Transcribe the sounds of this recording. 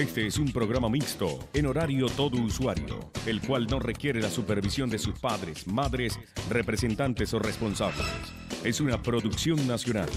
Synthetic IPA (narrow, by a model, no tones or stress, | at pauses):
e̞st̪eesumpɾo̞ɣɾamamikst̪o̞̰eno̞ɾaɾjo̞t̪o̞ðouswaɾjo̰elkwalno̞re̞kje̞ɾelasupeɾβisjo̞nd̪e̞suspaðɾesmaðɾes | re̞pɾese̞nt̪ant̪e̞sorespo̞nsaβlḛs | e̞sunapɾo̞ðuksjo̞ŋnasjo̞na̰l